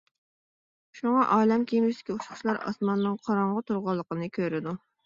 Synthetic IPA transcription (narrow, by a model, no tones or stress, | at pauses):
ʃuŋɑʔɑːlɛmkʲʰimɪsd̪ɪ̥kʲiuʃχʊ̥ʃlˠɑɾɑ̰smɑnːɨŋqʰɑɾɑɴʁət̪ʰuɾʁɑlˠːəqənɨkʲʰøɾɪd̪u